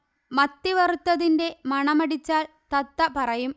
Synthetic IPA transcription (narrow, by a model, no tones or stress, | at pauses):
mɐt̪ːiʋɐrut̪ːɐðinde̞mɐɳɐmɐɽit͡ɕːaːl | t̪ɐt̪ːɐpɐrɐjum